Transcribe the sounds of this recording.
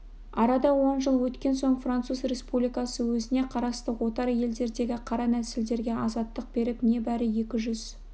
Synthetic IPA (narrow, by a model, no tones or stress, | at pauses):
ɑɾɑd̪ɑwo̞nʒəlˠwɵt̪kʲe̞nso̞ɴfrant̪suzre̞spublijkɑsəwɵzɪne̞qʰɑɾɑst̪əqwo̞t̪ɑɾje̞ld̪e̞ɾd̪e̞ɡʲɪqʰɑɾɑnæsɪld̪e̞ɾɡʲe̞ʔɑzɑt̪ːəq̚b̥e̞ɾɪpne̞bæɾɪje̞kʲɪʒʏz